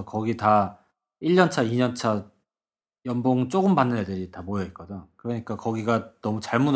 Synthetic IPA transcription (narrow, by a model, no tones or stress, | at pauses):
kʌɡita | iɭːʌnt͡ɕʰaiɲʌnt͡ɕʰa | jʌmboŋt͡ɕ͈oɡɯmbanːɯnjedɯɾitamojʌit̚k͈ʌdokɯɾʌɲik͈akʌɡiɡanʌmut͡ɕaɭmun